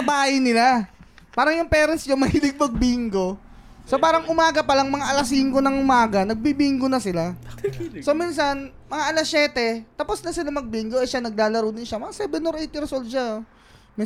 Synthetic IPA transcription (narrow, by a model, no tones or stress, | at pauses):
ɐbaːhɪnɪla | paːɾɐŋjʊŋpɛːɾɐnsɲomɐhɪlɪɡ̚mɐɡ̚biŋɡo̞ | sopaːɾɐŋʔʊmaːɡɐpɐlaŋmɐŋaʔɐlɐsiːŋkonɐŋʔʊmaːɡɐnɐɡ̚bibiːŋɡonɐsɪla | so̞miːnsɐn | mɐŋaʔɐlɐsjɛːt̪ɛt̪apo̞snɐsɪlamɐɡ̚biŋɡoʔɐjʃanɐɡ̚laːlɐɾownɪnʃamɐŋasɛːbɛnoɾʔɛjt̪ɪɾɛsold̪̚ʃa | mi